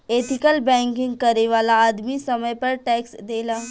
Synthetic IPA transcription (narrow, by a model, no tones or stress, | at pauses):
eːt̪ʰɪkəlbɛ̃ːŋkɪ̃ŋɡ̚kɐɾeʋaːlaːd̪misɐməjpɐɾʈɛːksd̪eːlaː